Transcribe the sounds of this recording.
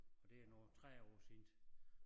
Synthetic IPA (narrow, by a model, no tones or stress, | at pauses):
ɒ̽d̥e̝ænɒːt͡sʰʁɛ̰ːɒ̰ːseːnd̥